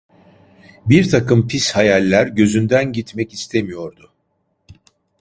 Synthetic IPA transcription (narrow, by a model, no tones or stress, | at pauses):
biɾt̪ʰakɯmpʰishajalʲːæɾɟø̞zynd̪ænɟit̪mɛcist̪ʰemijo̞ɾd̪ʊ